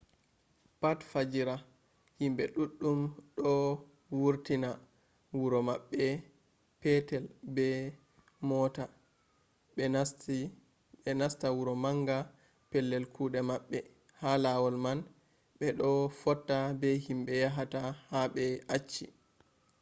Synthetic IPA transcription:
patfad͡ʒiɾa | himɓɛɗuɗːumɗɔ | wuɾtina | wuɾɔmaɓːɛ | pɛtɛlbɛ | mɔta | ɛ | ɛnastawuɾɔmaŋɡa | pɛlːɛlkuɗɛmaɓːɛ | halawɔlman | ɓɛɗɔfɔtːabɛhimɓɛjaɦatahaɓɛat͡ʃːḭ

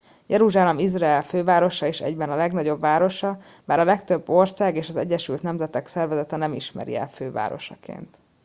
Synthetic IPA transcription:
jʔɛɾuʒaːlɛmizraɛlføːvaːɾo̞ʃɒeːʃɛ̰ɟbɛnɒlɛɡnɒɟo̞bvaːɾo̞ʃɒ | baːɾɒlɛkt̪ø̞bːo̞rsaːɡeːʃɒzɛɟːɛʃylt̪nɛmzɛt̪ɛksɛrvɛzɛt̪ɛnɛmiʃmɛ̰ɾḭɛ̰lføːva̰ːɾo̞̰ʃɒ̰kḛːnt̪

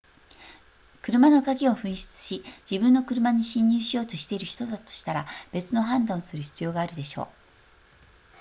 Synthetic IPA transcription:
kɯ̟ɾɯ̟mano̞kaɡʲio̞ɸɯ̟̃ɰ̃ɕi̥t͡sɨ̥ɕid͡ʑibɯ̟̃nːo̞kɯ̟ɾɯ̟maɲ̟iɕĩɲ̟ːɨːɕijo̞ːt̪o̞ɕi̥t̪e̞iɾɯ̟çi̥t̪o̞d̪at̪o̞̥ɕi̥t̪aɾab̥e̞t͡sɨno̞ɦãnd̪ãɰosɨɾɯ̟çi̥t͡sɨjo̞ːɡaːɾɯ̟d̪e̞ɕo̞̰ː

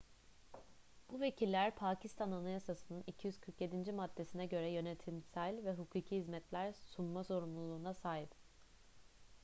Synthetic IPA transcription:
b̥uve̞cʰilʲːæɾpʰaːcʰist̪ʰananajasasɯnɯnicʰijyz̥kʰɯɾkje̞d̪ind͡ʒimad̪ːe̞sinɛɟø̞ɾɛjø̞net̪ʰimsælʲvɛɦukʰuːcʰiɦizmɛt̪lʲæɾsunmaso̞ɾumlˠulˠuːnasaːɦip

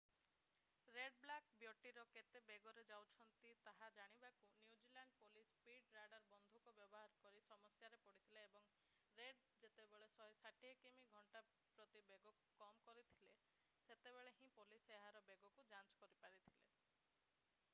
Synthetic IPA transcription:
ɾeɖblakbjoʈiɾɔket̪ebeɡɔɾed͡ʒawt͡ʃʰɔnt̪it̪aɦad͡ʒaɽ̃ibakunjud͡ʒilaɳɖpolispiɖɾaɖaɾbɔnd̪ʱukɔbjɔbɔɦaɾkɔɾisɔmɔsjaɾepɔɽit̪ʰileebɔŋ | ɾeɖ | d͡ʒet̪ebeɭesɔɦesaʈiekemiɡʱɔɳʈa | pɾɔt̪ibeɡɔku̥kɔmkɔɾit̪ʰile | set̪ebeɭeɦĩpoliseɦaɾɔbeɡɔkud͡ʒant͡ʃɔ̥kɔɾipaɾit̪ʰile

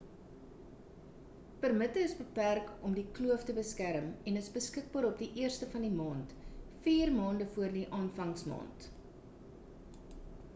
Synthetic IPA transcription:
pərmətəəsbəpærkɔmdikluəftəbəskæɾəmɛnəsbəskək̚bɑːɾɔp̚diʔiərstəfɐndimɑːntfiːrmɑːndəfuərdiʔɑːnfɐŋsmɑ̰ːnt

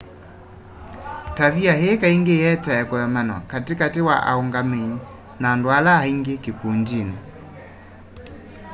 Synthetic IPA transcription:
taviaɦeːkaiŋɡejɛtaɛkɔjɔmanwa̰katikatiwa̰ʔa̰uŋɡamei | naːndwalaaiŋɡekikundina

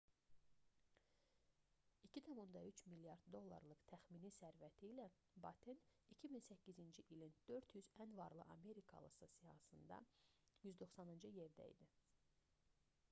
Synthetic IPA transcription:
icʰit̪ʰæmund̪ɑyt͡ʃmilːjɑɾd̪d̪o̞lˠːɑ̰ɾlˠɯkt̪ʰæxminisæɾvæt̪ʰiːlæ | bɑt̪ʰinicʰiminsæcːizind͡ʒiʔilind̪̥ø̞ɾt̪jyzænvɑɾlˠɯʔɑ̰me̞ɾikʰɑ̰lˠɯ̰sɯsijɑ̰hɯsɯnd̪ɑ̰jyzd̪o̞χsɑnɯnd͡ʒɯje̞ɾd̪æ̰ḭd̪i

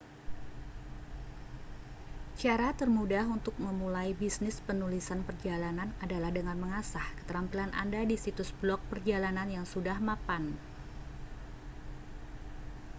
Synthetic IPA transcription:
t͡ʃaɾat̪ərmudaɦunt̪ʊk̚məmulajbisnɪspənulisanpərd͡ʒalananadalahdəŋanməŋasahkə̥t̪əɾampilanʔa̰ndadisit̪ʊsblɔk̚pərd͡ʒalananjaŋsudahmapan

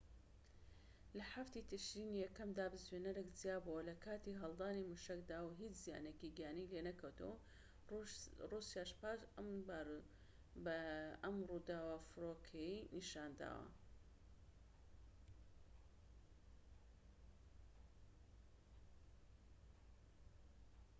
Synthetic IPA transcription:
lɐħaft̪it̪ʰɨʃɾiːnijɛkːɐmd̪aːbɨzwenɐɾɨkzijaːbuwɐlɐkʰaːt̪iɦɐlˠd̪aːnimuʃɐkd̪aːwɦit͡ʃzija̰ːnekiɡijaːnijlenɐkʰɐwt̪ʰɐ̰wɐ | rusjaːʃpaːʃmb | bɐmrud̪aːwafɨɾokʰejiniʃaːnd̪a̰ːwɐ̰

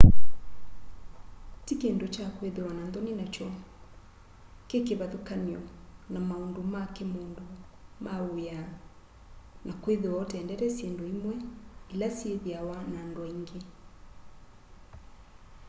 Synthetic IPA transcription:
tikendot͡ʃakweðewanandɔninat͡ʃɔ | kekeβaðokaniɔnamaondomakemoːndomaoja | nakweðewɔtɛːndɛɾɛsjendoimwɛilasjeðiawanaːndoaiŋɡe

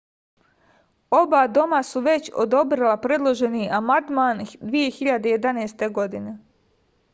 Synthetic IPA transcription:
o̞bad̪o̞masuʋe̞t͡ɕo̰d̪o̞bɾilˠapɾe̞d̪lˠo̞ʒe̞niʔamand̪maːnd̪ʋije̞xiʎad̪e̞je̞d̪aneːst̪e̞ɡo̞d̪ine̞

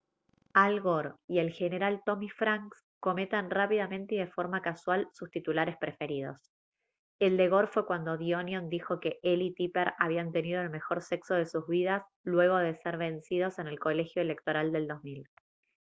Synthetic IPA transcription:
alɣoɾie̞lxe̞ne̞ɾalt̪o̞mifɾaŋks | ko̞met̪anrapiðamẽnt̪eiðe̞fo̞ɾmakaswalsust̪it̪ulaɾe̞spɾe̞fe̞ɾið̞o̞̰s | e̞ld̪e̞ɣo̞ɾfwe̞kwand̪o̞ðionjond̪ixo̞ke̞ʔelit̪ipeɾaβiant̪e̞niðo̞elme̞xo̞ɾse̞kso̞ð̞e̞suzβiðas | lwe̞ɣ̞o̞ðe̞seɾβe̞nsiðo̞se̞ne̞lko̞le̞xjo̞ele̞k̚t̪o̞ɾald̪e̞ld̪o̞zmil

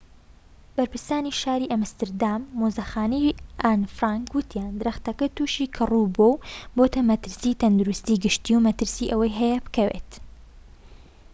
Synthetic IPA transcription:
b̥ɐɾpʰɨɾsaːniʃaːɾiːʔɐmst̪ɨɾd̪aːmːozɐxaːnɐjʔanfɾaːŋkwɨt̪ʰjaːnd̪ɨɾɐxt̪ɐkɐt̪uːʃiːkʰɨrubowboːt̪ɐmɐt̪ɨɾsiːt̪ɐnd̪uɾust̪iːɡɨʃt̪iwmɐt̪ɨɾsiːʔɐwɐjɦɐjɛbɨkɐwḛt̪

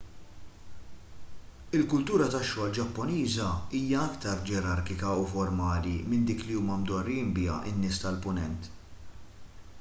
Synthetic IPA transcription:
ɪlkʊlt̪uːɾɐt̪ɐʃːɔːld͡ʒɐpːɔniːzɐiːjɐɐkt̪ɐɾd͡ʒɛɾɐɾkɪkɐufɔɾmɐːlimɪnd̪iːkliuːmɐmd̪ɔrːiɪmbɪjɐ̰ʔɪ̰nːɪːst̪ɐlpʊnɛnt̪

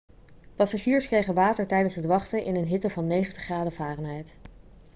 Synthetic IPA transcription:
pɑsaʒiːɹskrejχənʋaːtəɹtɛjdənsɦətʋɑχtəʔɪnənɦɪtəvɑnːejχəntəχraːdəvaːrənɦɛjt

